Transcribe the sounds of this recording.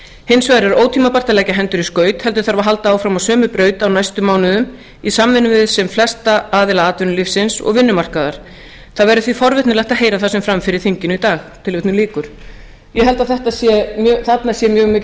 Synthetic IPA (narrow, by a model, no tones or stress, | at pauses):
hɪnsvaːɾɛɾoːwt̪ʰiːmapar̥t̪alɛcaɦɛnt̪ʏɾiskœːɥt̪hɛlt̪ʏɾ̥θaɾvaɦalt̪aaːwfɾamawsœːmʏpɾœːɥt̪awnajst̪ʏmːaːwnʏðʏm | isamːɪnʏvɪðsɛmflɛst̪aaːðɪlaaːt̪vɪnʏlifsɪnsɔ̰ɣvɪnːʏmar̥kaðaɾ̥ | θaðvɛɾʏθvifɔɾvɪt̪nɪlajht̪aɦeːjɾaθasɛmfɾamfɪɾɪɾ̥θiɲcɪnʏit̪aːxt̪ʰɪlvɪt̪nʏliːkʏɾ̥ | jɛɦɛlt̪aθɛht̪asjɛmjœːθat̪nasjɛmjœːɣmɪːc